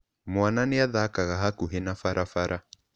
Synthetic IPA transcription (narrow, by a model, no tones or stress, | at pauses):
mwananɪaðakaɣaɦakuɦenafaɾʔafaɾʔa